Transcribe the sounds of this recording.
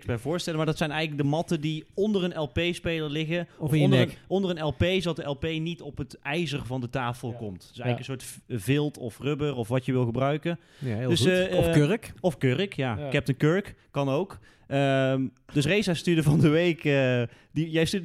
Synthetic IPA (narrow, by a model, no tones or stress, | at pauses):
sbɛvʊːɹstɛləmaɹdɑtsɛjnɛjɣələk̚dəmɑtəndiɔndərənɛlˠpejspejləɹlɪɣəfnəəɔndərənɛlˠpejsdɑt̚dəʔɛlˠpejnitɔpətɛjzərvɑndətaːfəlˠkɔmtd̥sɛjɣəkənsʊːɹtvɪlˠtʰɔfrʏbərɔfʋɑtjəʋɪlˠɣəbrœɥkən | døs | kɔfkørəkjaːkɛp̚tənkøɹkːɑnowk | ədɵs̬rejzastydəvɑndəʋejkː | dijɛjsty